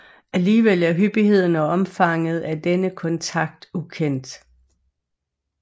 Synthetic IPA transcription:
ʔæliːʋel̰æɐɦyb̥ihe̝ð̞̰ˠn̩ɒɒ̽mfɑ̈ŋ̰əð̩ˠæd̥enəkʰɒ̽nt͡sʰɑ̈ɡ̥d̥ukʰen̰d̥

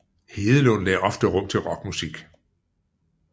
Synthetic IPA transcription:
he̝ːðˠəlo̰ːn̩lɛ̰ʔɒ̽fd̥əʁɔ̽m̰t͡sʰe̝lʁɒ̽ɡ̥musiɡ̥

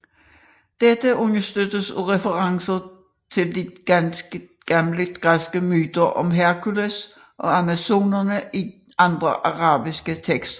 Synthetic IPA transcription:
d̥ed̥əʔɔnɐsd̥ød̥əsʁɛfəʁɑ̈ŋsɐ | t͡sʰe̝ld̥i̥ | ɡ̥ɑmləd̥ɡ̥ʁasɡ̥əmyːd̥ɐʔɒ̽mɦæɐkʰules | ʔɒ̽æmæso̝̰ːnɐnəʔi | ʔɑ̈nd̥ʁɐʔɑʁɑ̈ːb̥isɡ̥ət͡sʰeɡ̥sd̥

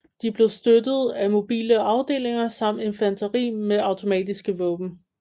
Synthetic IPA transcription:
d̥ib̥le̝ʊsd̥ødð̞̩ˠæmo̝b̥ḭːləɑ̈ʊd̥e̝̰ːle̝ŋɐsɑ̈m̰d̥e̝nfænt͡sʰɐʁḭːmeʔɑ̈ʊt͡sʰo̝mɛ̰ːd̥isɡ̥əʋɔ̽ːb̥n̩

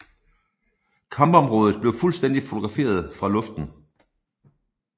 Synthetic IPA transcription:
kʰɑ̈mb̥ɒ̽mʁɔːð̞ˠð̩ˠb̥le̝ʊfulsd̥en̰d̥ifo̝t͡sʰo̝ɡ̥ʁɑ̈fe̝̰ːɐð̞ˠfʁɑ̈lɔ̽fd̥n̩

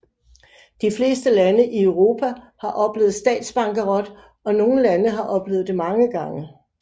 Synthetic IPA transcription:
d̥ifle̝ːsd̥əlænəʔiøʊʁo̝ːpʰæ | hɑ̈ʔɒ̽b̥le̝̰ːð̩ˠsd̥ɛ̰ːd̥sb̥ɑ̈ŋɡ̥əʁɒ̽d̥ | ɒ̽no̝ːn̩lænəɦɑ̈ʔɒ̽b̥le̝ːð̩ˠd̥e̝mɑ̈ŋəɡ̥ɑ̈ŋə

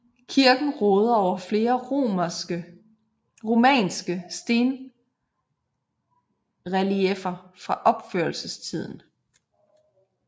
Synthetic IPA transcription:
kʰiɐɡ̥n̩ʁɔ̽ːð̞̩ˠɒʊ̰ɐfle̝ːɐo̥ə | ʁo̝mɛ̰ːnsɡ̥əsd̥e̝ːn | ʁæliefɐfʁɑ̈ʔɒ̽b̥føɐlsəst͡sʰið̞̰ˠn̩

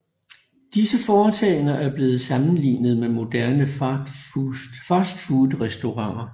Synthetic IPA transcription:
d̥isəfɒːt͡sʰɛɪnɐʔæɐb̥le̝ːð̞̩ˠsɑ̈mn̩lḭːnəð̞̩ˠmemo̝d̥æɐnə̥ | fɑsd̥fuðˠʁɛsd̥o̝ʁɑ̈ŋ̰ɐ

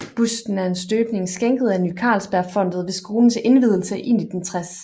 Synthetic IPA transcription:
b̥usd̥n̩æɐe̝nsd̥øːb̥ne̝ŋsɡ̥eŋɡ̥ð̞̩ˠænykʰɑ̰̈lsb̥æɐfɒ̽n̰d̥ð̞̩ˠʋe̝sɡ̥o̝ːln̩se̝nʋið̞ˠl̩səʔe̝n̰id̥ent͡sʰʁas

